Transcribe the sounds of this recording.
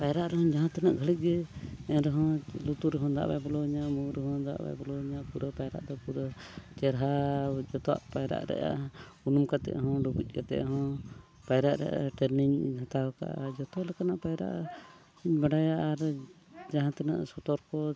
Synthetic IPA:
pajɾaʔɾɛɦɔ̃d͡ʒaɦãt̪ɛnaʔɡʱəlic̪̚ˀɡɛɛɾɛɦɔ̃lut̪uɾɦɔ̃d̪a̰ʔba̰jbɔlɔɲamuɾɦɔ̃d̪a̰ʔba̰jbɔlɔɲaʔpuɾəpajɾa̰ʔd̪ɔpuɾə | t͡ʃɛɾɦad͡ʒɔt̪ɔa̰ʔpajɾa̰ʔɾɛ̰ʔa̰ | unumkat̪ɛ̰ʔɦɔ̃ɖɔbuc̚ˀkat̪ɛ̰ʔɦɔ̃ | pajɾaʔɾɛ̰ʔa̰ʈɛɾniɲhãt̪awka̰ʔa̰d͡ʒɔt̪ɔlɛkanaʔpajɾa̰ʔ | baɖajaʔaɾ | d͡ʒaɦãt̪ɛnaʔsɔt̪ɔɾkɔ

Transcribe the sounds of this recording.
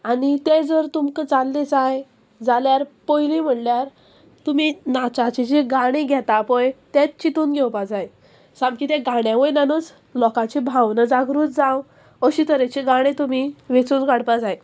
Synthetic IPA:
anit̪ed͡zəɾt̪umkət͡salːet͡saj | d͡zaljaɾpɔjlim̤əɽljaɾ | t̪uminat͡ɕat͡ɕed͡ʑeɡaɽ̃eɡʱɛt̪apɔjt̪et̪̚t͡ɕit̪uːnɡʱɛwpad͡zaj | sãmkit̪ẽɡaɽjãʋəjnanət͡s | lɔkãt͡ɕebʱãwnəd͡zaɡɾuːt͡sd͡zãw | əɕit̪əɾet͡ɕeɡaɽ̃ẽt̪um̤iʋet͡suːnɡaɽpad͡zaj

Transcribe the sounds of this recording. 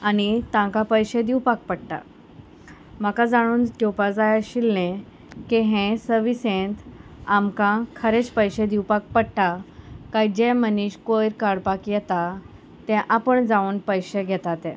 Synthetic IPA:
añit̪ãkapəjɕed̪iwpak̚pəɽʈa̰ | m̤əkad͡zaɽ̃uːnt̪opad͡zajaɕilnẽ | kiɦɛ̃səʋisẽnt̪amkãkʰəɾet͡spəjɕed̪iwpak̚pəɽʈakajd͡ʑɛməniɕkojɾkaɽpakjɛt̪a | t̪ɛ̃ʔapəɳd͡zauːnpəjɕeɡʱɛt̪at̪ɛ̃

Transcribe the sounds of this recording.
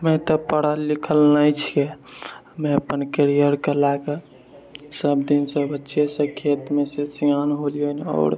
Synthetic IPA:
mɛ̃t̪ɔpəɽ̤alikʰəlnajt͡ʃʰije | mẽəpənkeɾijəɾkelaɡə | səbd̪insəbətːʃʰesə̃kʰet̪mesesianɦolijənɔ̰ːɾ

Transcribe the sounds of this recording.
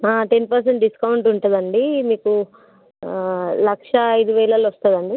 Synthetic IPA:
aːʈe̞npɐɾs̬eɳʈɖiskɐwɳʈuɳʈund̪ɐɳɖimiːku | lɐkʂɐːjd̪uʋɐjlɐlʋɐst̪ɐːd̪ɐɳɖi

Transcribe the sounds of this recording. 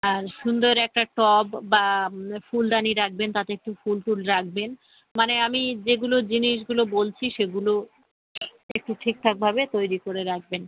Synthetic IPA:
aɾʃund̪oɾɛk̚ʈaʈɔbbafulɖaniɾak̚ʰbent̪at̪eek̚ʈufulʈulɾak̚ʰben | maneamid͡ʑeɡulod͡ʑiniʃ̬ɡulobolt͡ɕʰiʃeɡulo | ek̚ʈuʈʰik̚t̪ʰak̚bʱabet̪ojɾikoɾeɾak̚ʰben

